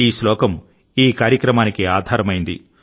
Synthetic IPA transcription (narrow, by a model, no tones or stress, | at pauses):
iːslɔːkɐm | iːkaːɾjɐkɾɐmaːnikiaːd̪ʱaːɾɐmɐjind̪ḭ